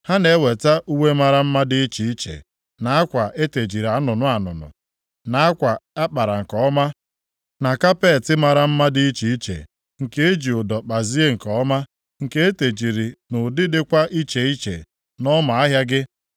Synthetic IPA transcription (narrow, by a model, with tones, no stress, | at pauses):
ha˦ne˨e˦we˨ta˦ʔu˦ŋe˦ma˨ɾa˦m̩˦ma˦dɪ˦i˦t͡ʃi˨i˦t͡ʃḛ˨ | na˨a˦kʷa˨ʔe˦te˨d͡ʒi˨ɾa˨˦nʊ˨nʊ˨a˨nʊ̰˨nʊ̰˨ | na˨a˦kʷa˨a˦k͡pa˨ɾa˨ŋ̩˨kɔ˨˦ɔ˦ma˦ | na˨ka˦pe˦˨tɪ˦ma˨ɾa˦m̩˦ma˦dɪ˦i˦t͡ʃi˨i˦t͡ʃḛ˨ | ŋ̩˨ke˦e˦d͡ʒi˨ʊ˨dɔ˨k͡pa˨zi˦e˦ŋ̩˨kɔ˨˦ɔ˦ma˦ | ŋ̩˨ke˦e˦te˨d͡ʒi˨ɾi˨nʊ˨dɪ˦dɪ˦kʷa˦ʔi˦t͡ʃe˨i˦t͡ʃḛ˨ | nɔ˦ma˨a˦ɦja˦ɡɪ˦